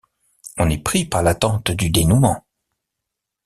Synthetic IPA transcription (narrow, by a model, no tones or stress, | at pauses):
ɔ̃nɛpχipaʁlat̪ɑ̃t̪d̪yd̪enumɑ̃